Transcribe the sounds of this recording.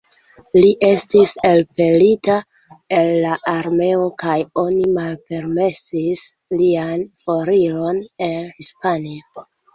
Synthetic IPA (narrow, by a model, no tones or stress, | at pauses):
liʔe̞stise̞lpe̞lita | elːaʔaɾme̞o̞kajo̞nimalpe̞ɾme̞sis | lianfo̞ɾilo̞ne̞nhispanio